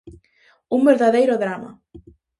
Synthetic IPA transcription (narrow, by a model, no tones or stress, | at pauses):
unvɛɾðaðejɾoðɾaːma̰